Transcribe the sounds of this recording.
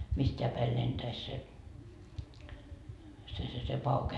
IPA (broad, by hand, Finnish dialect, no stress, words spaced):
mistʲeæ pæi lentæis se se se se pɑuke